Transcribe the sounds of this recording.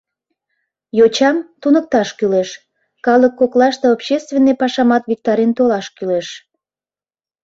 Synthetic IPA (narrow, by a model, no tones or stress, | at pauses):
jot͡ɕɑmt̪unək̚t̪ɑʃkyleʃ | kɑləkːoklɑʃt̪eopɕest̪venːepɑʃɑmɑt̪vik̚t̪ɑɾent̪olɑʃkyleʃ